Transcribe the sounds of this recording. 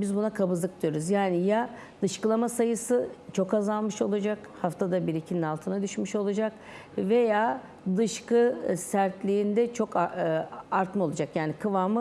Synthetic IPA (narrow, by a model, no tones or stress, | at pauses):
bizbunakʰabɯzlɯk̚d̪ijo̞ɾuzjaːnija | d̪̥ɯʃkɯlˠamasajɯsɯt͡ʃʰo̞kazalˠmɯʃo̞lˠud͡ʒak | haft̪ʰad̪abiɾicʰininalˠt̪ʰɯnad̪yʃmyʃo̞lˠad͡ʒak | ve̞jaː | d̪ɯʃkɯsæɾt̪lʲiːnd̪ɛt͡ʃʰo̞k | aɾt̪mɯo̞lˠad͡ʒakjaːnikʰɯvaːmɯ